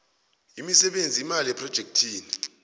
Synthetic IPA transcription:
imisɛɓend͡zʱiːmaliɛpʰrɔd̥ʒ̥ʱek̚tʰiːni

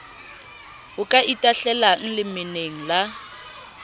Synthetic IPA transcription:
hʊkʼaʔitʼaɬɛlaŋ̩lɪmɪneŋ̩la

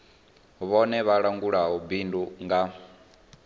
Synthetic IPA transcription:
βɔnɛβaɺaŋɡuɺaɦubinduŋɡa

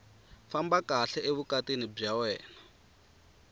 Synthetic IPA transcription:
fambakaɬɛʔeβukatinib͡ʐawɛːna

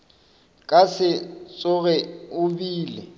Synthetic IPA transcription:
kʼasɪt͡sʼʊɣɛʊbiːlɪ

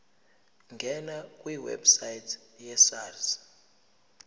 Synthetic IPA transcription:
ŋɡʱɛnakʼwiwɛ̰bsajitʰjɛsaːrza

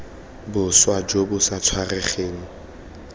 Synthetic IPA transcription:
bʊswad͡ʒobʊsat͡sʰwarɛχeːŋ̩

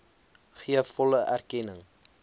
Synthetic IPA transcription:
χiəfɔləʔærkɛnəŋ

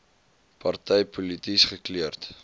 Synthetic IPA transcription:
pɐrtɛjpulitisχəkliərt

